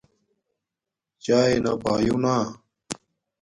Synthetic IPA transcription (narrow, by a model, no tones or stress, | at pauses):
t͡ɕaːenapaːjunaː